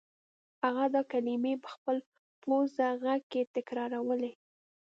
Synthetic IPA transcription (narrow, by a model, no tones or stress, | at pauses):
haɣad̪ɑkalimepə̥xpəl | pozaɣaɡ̚ket̪ɪkɾɑɾawəle